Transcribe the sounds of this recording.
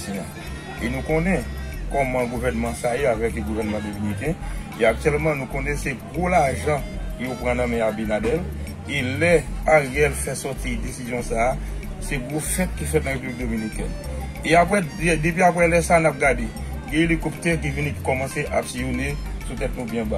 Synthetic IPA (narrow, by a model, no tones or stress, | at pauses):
sɔ̃ã̰ | enũkõnɛ̃kɔmɑ̃ɡuvɛʁnmãsajoavɛkɡuvɛʁnmɑ̃dominik̬ɛ̃ | eak̚t̪ɥɛlmɑ̃nũkõnɛ̃seɡʁolaʒɑ̃kjopʁãnãmɛ̃abenadɛl | elɛaɣɛlfɛsɔt̪idesizjɔ̃saːsɛɡʁofɛt̪̚kifɛt̪̚nãɣepyblik̚d̪ominikɛ̰̃ | eapwɛd̪ep̬ɥiap̬wɛlɛsanap̚ɡadeɡɛ̃ilikupt̪ɛk̬ivinĩki̥kɔmɑ̃seʔa̰psijonesut̪ɛt̪nũbjɛ̃ba